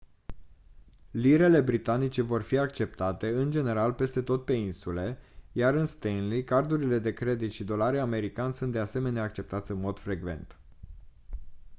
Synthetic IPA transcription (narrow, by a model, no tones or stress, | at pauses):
liɾe̞le̞bɾit̪anit͡ʃe̞vo̞rfiakt͡ʃe̞pt̪at̪e̞ɨnd͡ʒe̞ne̞ɾalpe̞st̪e̞t̪o̞t̪̚pe̞insule̞jaɾɨnst̪enlikard̪uɾile̞d̪e̞kɾe̞d̪it̪ʃid̪o̞laɾeame̞ɾikanʲsunt̪d̪ease̞me̞neaːk̚t͡ʃe̞p̚t̪at̪sʲɨnmo̞d̪̥fɾe̞ɡve̞̰nt̪